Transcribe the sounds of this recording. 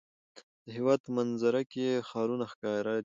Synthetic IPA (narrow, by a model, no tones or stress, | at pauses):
d̪̥əɦiwɑːd̪̚manzaɾakexɑːɾunaxkɑːɾa